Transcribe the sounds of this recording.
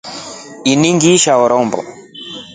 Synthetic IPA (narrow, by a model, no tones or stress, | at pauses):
iniŋɡiʃaɔɾɔmbɔ̰